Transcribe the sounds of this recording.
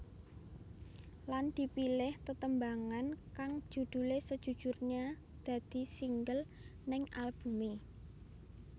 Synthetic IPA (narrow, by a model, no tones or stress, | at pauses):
land̪̥i̤pilɪht̪ət̪əmbaŋankaŋ̥ʒ̥ṳd̪̥ṳlesəd̥ʒ̥ṳ̥ʒ̥urɲa | d̪̥ä̤d̪̥i̤siŋɡəl | nɪŋalb̥ṳmi